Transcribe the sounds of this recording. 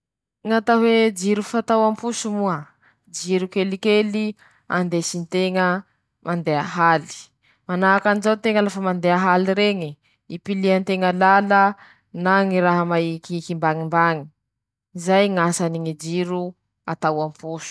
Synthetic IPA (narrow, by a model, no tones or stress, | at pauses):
ŋat̪awed͡ʒiɾufat̪awampusumuə | d͡ʒiɾukelikeli | a̰nd̪esint̪eŋə | mʔand̪eaɦali̥ | manaːkanizawt̪eŋəlafəmand̪eaɦaliɾeŋi | ipiliant̪eŋəlalə | naŋiɾaɦəmaikːkimbaŋimbaŋi̥ | izajŋasaniŋid͡ʒiɾu | at̪awampusu̥